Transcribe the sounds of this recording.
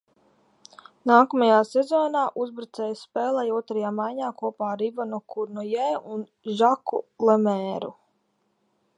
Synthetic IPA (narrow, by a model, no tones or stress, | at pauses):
naːkɔmajaːsɛzɔːnaːʔuzbɾat̪sɛjspɛːlˠajuɔt̪ɾajaːmajɲaːkuɔpaːɾivanɔkʰuɾnɔjɛːun | ʒakṵlˠemɛːɾṵ